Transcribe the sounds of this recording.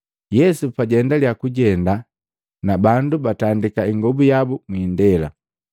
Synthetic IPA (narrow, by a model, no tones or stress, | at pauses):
jɛsupaɟɛndaljakuɟɛnda | nabandubatandikaiŋɡɔbujabumwindɛla̰